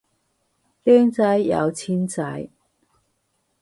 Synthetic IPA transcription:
lɛː˥ŋt͡sɐ˨˥jːɐ̰˨˧wt͡sʰiː˥nt͡sɐ˨˧˥j

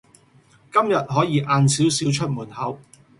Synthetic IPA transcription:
kɐ˥mjɐ˨t̚ɦɔː˨˥jiː˨˧ʔaː˨˧nsiː˨˥wsiː˨˥wt͡ʃʰɵ˥t̚muː˨˩nhɐ˨˧˥w

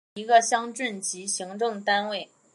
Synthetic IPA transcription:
i˧˥ɡə˧ɕjɑ˥ŋʈ͡ʂə˥˩nt͡ɕi˧˥ɕi˧˥ŋʈ͡ʂɤ˥˩ŋt̪a˥nwe˥˩ɪ

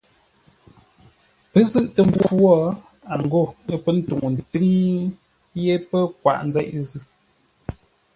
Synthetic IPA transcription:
pə˦zɨ˦ʔtə˨m˦b͡vu˦wɔ˦ | a˨ŋ˨ɡo˦˨ə˦pə˦n̩˦tu˨ŋ˨n˨tɨ˦ŋ˦ | je˦pə˦kwa̰˨ʔn̩˦zɛ̰˦ʔzɨ˦

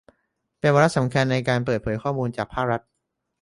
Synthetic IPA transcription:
pe˧nwaː˧ɾa˦˥sa˩˦mkʰa˧nːa˧jkaː˧npɤː˨˩t̪̚pʰɤː˩˦jkʰɔː˥˩muː˧nt͡ɕaː˨˩k̚pʰaː˥˩k̚ɾa˦˥t̪̚

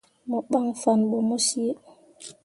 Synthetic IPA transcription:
mɔ˨ɓa˦ŋfa˨nɓɔ˨mo˦si˦e˦

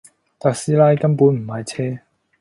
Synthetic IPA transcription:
t̪aː˨k̚siː˥laː˧jkɐ˥mpuː˨˥nm̩˨˩ma˨˧jt͡sʰɛː˥

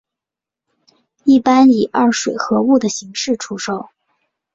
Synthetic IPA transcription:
i˥˩pa˥ni˨˩ʔa˥˩ʂwe˨˩ɪxɤ˧˥u˥˩d̪ə˩ɕi˧˥ŋʂɻ̩˥˩ʈ͡ʂʰu˥ʂo˥˩˦ʊ

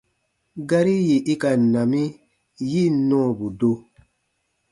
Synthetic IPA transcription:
ɡa˦ɾi˦ji˨ʔi˦ka˨nã˨mi˦ | ji˦˨nɔ̃˦˨bu˨do˦

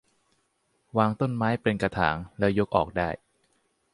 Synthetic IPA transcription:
waː˧ŋt̪o˥˩nmaː˦˥jpe˧nka˧t̪ʰa̰ː˩˦ŋlɛ˦˥wjo˦˥k̚ʔɔ̰ː˨˩k̚daː˥˩j

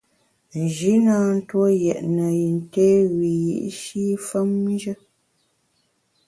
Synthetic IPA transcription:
n̩˨ʒi˨˦naː˦n̩˦two˦jɛ˨ʔnə˨ji˨n˨teː˦ɣi˨jḭ˨˦ʔʃi˦fə˦m˦d͡ʒə˦

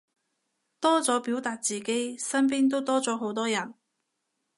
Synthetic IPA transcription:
t̪ɔː˥t͡sɔː˨˥piː˨˥wt̪aː˨˧t̚t͡siː˨ke˥jsɐ˥np̬iː˥nt̪o˥wt̪ɔː˥t͡sɔː˨˥ɦo˨˥wt̪ɔː˥jɐ˨˩n

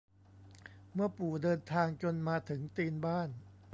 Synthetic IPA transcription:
mɯ˥˩ɐpuː˨˩dɤː˧nt̪ʰaː˧ŋt͡ɕo˧nmaː˧t̪ʰɯ˩˦ŋt̪iː˧nbaː˥˩n

